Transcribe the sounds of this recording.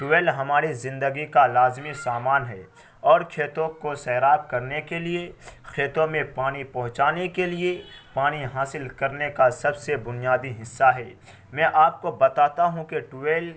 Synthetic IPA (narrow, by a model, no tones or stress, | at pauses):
ʈʊʋeːlɦɐmaːɾizɪ̃nd̪əɡikalaːzmisaːmaːnɦɛː | ɔːɾkʰeːt̪õkosɛːɾaːb̚kɐɾnekeliekʰeːt̪õmẽpaːnipɐɦʊ̃t͡ʃaːnekeliepaːniɦaːsɪlkɐɾnekasɐbsebʊnijaːd̪iɦɪsːaɦɛː | mɛ̃ːʔaːp̚kobɐt̪aːt̪aɦũkeʈʊeːl